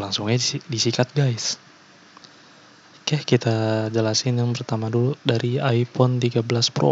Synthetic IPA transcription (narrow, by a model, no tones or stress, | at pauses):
laŋsuŋɲadisikat̪̚ɡajs | kakit̪ad͡ʒəlasɪnjaŋpərt̪amaduludaɾiajpɔnt̪iɡablaspɾo̰